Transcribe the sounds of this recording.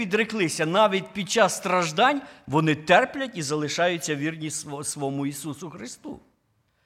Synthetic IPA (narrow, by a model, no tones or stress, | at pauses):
id̪ɾɪklˠɪsʲɐnɑʋʲidʲpʲid̪̚t͡ʃɑsst̪ɾɐʒd̪ɑnʲʋɔnɪt̪ɛrplʲɐtʲizɐlˠɪʃɑjʊt͡sʲːɐʋʲirnʲissʋɔmʊisusʊxɾɪst̪ṵ